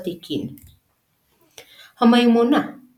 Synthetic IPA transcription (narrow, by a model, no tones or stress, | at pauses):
t̪ikin | həmajumuna